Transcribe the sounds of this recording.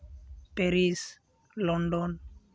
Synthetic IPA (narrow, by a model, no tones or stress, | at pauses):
peɾis | lɔnɖɔn